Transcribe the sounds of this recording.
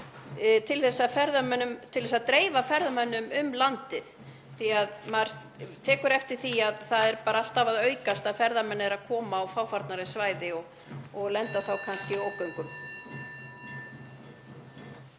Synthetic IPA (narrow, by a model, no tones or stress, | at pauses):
t̪ʰɪlθɛsːafɛɾðamœnʏmt̪ʰɪlðɛsaðt̪ɾeːjvafɛɾðamœnːʏmʏmlant̪ɪð | θiaðmaɾ̥ | t̪ʰɛːkʏɾɛft̪ɪɾ̥θiaðθaðɛɾpaːɾaal̥t̪avaðœːɥkast̪aðfɛɾðamɛnːɛɾaðkʰɔːmaːwfawfaɾt̪naɾaisvaːjðɪɔɣ | ɔɣlɛnt̪awθawkʰanscɪoːwkœɥŋkʏm